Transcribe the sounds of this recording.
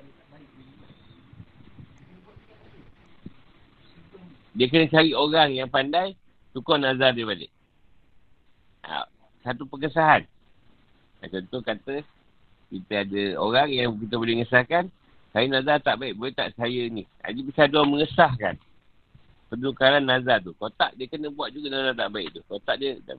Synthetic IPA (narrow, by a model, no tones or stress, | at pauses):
diək̬ənət͡ʃaɾioɾaŋjaŋpandaj | t̪ukɔnazardajbadə̰ | a̰ | sat̪upəŋəsaɦan | a̰t͡ʃɔnt̪ohkat̪ə | kit̪əadəo̰ɾaŋjaŋk̬it̪̬əbolehŋəsahkan | sajənãzat̪aʔbaɪʔ̚bolet̪a̰ʔsajəini | a̰d͡ʒipisaduaməŋəsahka̰n | pənukaɾanːazat̪̬ukot̪a̰ʔdiəkənəbuat̪̚d͡ʒuɡanazat̪aʔbaɪʔt̪ukot̪aʔdiə̰